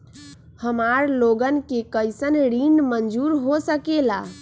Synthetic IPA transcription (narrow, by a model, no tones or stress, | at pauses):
həmaɾloɡənkekəjsənɾiɳɖmənd͡ʒuɾɦosəkela